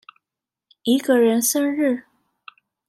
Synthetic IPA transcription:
i˧˥ɡə˧˨ɻə˧˥nsə˥nɻɻ̩˥˩

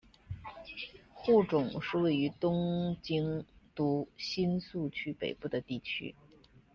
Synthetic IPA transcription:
xu˥˩ʈ͡ʂʊ˨˩˦ŋʂɻ̩˥˧we˥˩ɪy˧˥t̪ʊ˥ŋt͡ɕi˥ŋt̪u˧˥ɕi˥nsu˥˩t͡ɕʰy˥pe˨˩ɪpu˥˩d̪ə˩t̪i˥˩t͡ɕʰy̰˥

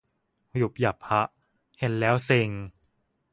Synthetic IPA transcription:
ju˨˩p̚ja˨˩p̚ha˦˥ʔ | he˧˩nlɛː˦˥wse˧ŋ

